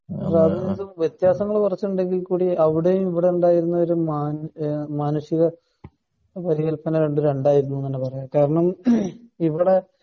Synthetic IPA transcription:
raːd̪ɐnisuʋjet̪jaːsɐŋːɐɭkurɐt͡ɕːuuɳɖe̞ŋɡilkuːɽiɐʋiɽejumiʋiɽeuɳɖaːjiɾunːɐo̞ɾumaːnmaːnuʂjiɣɐ | pɐɾiɣɐlpɐnɐɾeɳɖɨɾe̞ɳɖaːjiɾunːuɐnːepɐrɐjakaːɾɐɳɐm | iʋiɽe̞

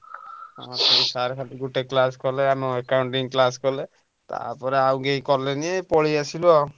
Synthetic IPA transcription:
ɔ̃t̪eisaɾkʰaliɡuʈeklaskɔleameekawɳʈiŋklaskɔle | t̪a̰ɾpɔɾeaw̃ɡeikɔɾleniepɔɭiasilɔ

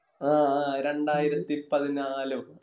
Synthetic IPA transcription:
aːɾe̞ɳɖaːjiɾɐt̪ːipɐðinaːlu

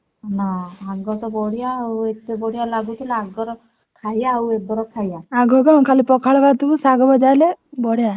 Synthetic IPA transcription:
naaɡɔt̪ɔbɔɽjaːuet̪ebɔɽijalaɡut̪ʰilaaɡɔɾɔ | kʰajaːwed̪ɔɾɔkʰajaaɡɔɡɔkʰalipɔkʰaɭbat̪uusaɡɔbɔd͡ʒalebɔɽja

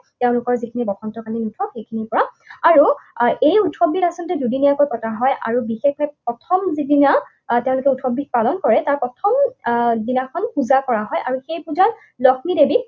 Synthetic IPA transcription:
tɛʊ̃lʊkɔɹzikʰinibɔkʰɔntɔkalinutʰɔkxejkʰinipɔɹa | aɹuejutʰxɔbːitasɔntɛdudinijakojpɔtaɦɔja̰ɹubixexɔjpɹɔtʰɔmzidina | tɛʊ̃lʊkɛutʰxɔbːik̚palɔnkɔɹɛtaɹpɹɔtʰɔmdinakʰɔnpuzakɔɹaɦɔjʔaɹuxejpuza | lɔkʰmidebi

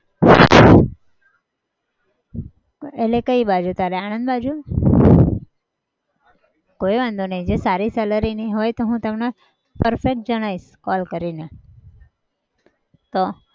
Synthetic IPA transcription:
elekəibad͡ʒut̪aɾeañə̃nd̪bad͡ʒu | koiʋãnd̪ʱunəĩd͡ʒesaɾisɛləɾiniɦojt̪oɦũt̪əmne | pəɾfek̚ʈ̚d͡ʒəɽ̃aiʃkɔlkəɾine | t̪o

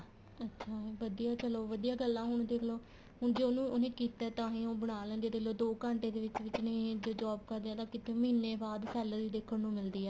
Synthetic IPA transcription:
ətːʃʰaːʋəd̪ijaːt͡ʃəloːʋəd̪ijaːɡəlːãːɦʊɳ̃d̪eːkʰloː | ɦʊɳd͡ʒeːoːnũːonẽːkiːt̪ɛːt̪ãːɦĩːoːbəɽ̃aːlə̃nd̪ieːd̪eːkʰloːd̪oːkəɳʈeːd̪eːʋɪt͡ʃʋɪt͡ʃnə̃d͡ʒoːd͡ʒɔːb̚kəɾd̪eːãːt̪ãːkɪt̪ʰeːməɦinːeːbaːd̪sɛːld̪iːd̪eːkʰəɽnũːmɪld̪iːɛː

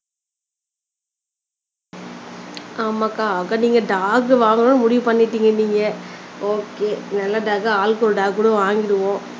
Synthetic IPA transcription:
aːmaːkaːkːaːniːŋɡɐɖaːɡɯʋaːŋɡɐnõːnːɯmʊɽɪʋɯpɐɳːɪʈːiːŋɡɐniːŋɡɐoːkeːnɐlːɐɖaːkaaːlkoɾɖaːɡkːuːɽɐ̃ʋaːŋɡɪɾɯʋõː

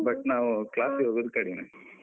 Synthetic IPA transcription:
bɐʈnaːʋuklaːsɦoɡud̪kɐɽinɐ

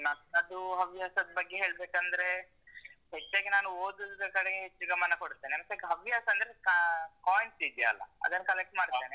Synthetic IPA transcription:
nɐt̪ːɐd̪uɦɐʋjaːsɐd̪ɐbɐɡːeɦe̞ːɭbeːkɐnd̪ɐɾe̞ | ɦet͡ʃːaːɡenaːnuoːd̪ud̪ɐkɐɽeɡeɦet͡ʃːuɡɐmɐnɐkoɽut̪ːenemɐsɐkɦɐʋjaːsɐɐnd̪ɾekaːjnsid̪ijɐːlːɐ̰ɐ̰d̪ɐnːɐkɐlek̚ʈmaːɽt̪ːeːne

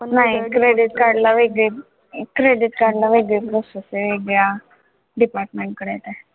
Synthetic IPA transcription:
naɦikɾeɖiʈ̚kaɾɽlaʋeɡe | kɾeɖiʈ̚kaɾɖlaʋeɡɭepɾoseseʋeɡɭja | ɖipaːɾʈmeɳʈ̚kəɽɛt̪ɛ

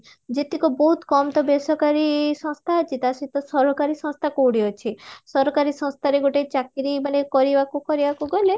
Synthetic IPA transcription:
d͡ʒet̪ikɔbɔɦut̪kɔmt̪ɔbesɔkaɾisɔ̃ŋst̪ʰad͡ʒit̪asit̪ɔsɔɾɦɔkaɾisɔ̃ŋst̪ʰakowɽiɔt͡ʃʰisɔɾɔkaɾisɔ̃st̪ʰaɾeɡoʈet͡ʃakiɾimanekɔɾibakukɔɾibakuɡɔle

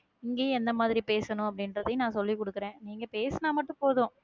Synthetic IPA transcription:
ɪŋɡeːɛnd̪ɐmaːðɪɾipeːsɐnʊ̃ɐp̬ːɐɽɪnɾɐðɐjnãːsɔlːikɔɽɯkːɪɾẽːniːŋɡɐpeːsɐnaːmɐʈːʊ̃poːðʊ̃ː

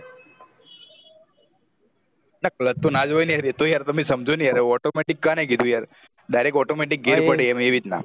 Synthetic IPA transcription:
nak̚lət̪ːonad͡ʒojnjaɾit̪ojaɾt̪əmesəmd͡ʒonijaɾeɔʈomeʈikːanek̬id̪ʱũjaɾ | ɖajɾek̚ɔʈomeʈik̚ɡeɾpəɽeemeʋit̪na̰

